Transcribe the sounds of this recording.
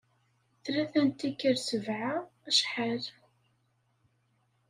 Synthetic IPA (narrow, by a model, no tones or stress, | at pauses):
θɾæθænt̪ikːəɾsəvʕaæʃħaɾ